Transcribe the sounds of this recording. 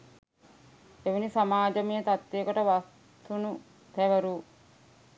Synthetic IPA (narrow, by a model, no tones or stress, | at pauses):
eʋenisamaːd͡ʒɐmijət̪at̪ːejːkoʈəʋas | t̪unu | t̪æʋəɾuː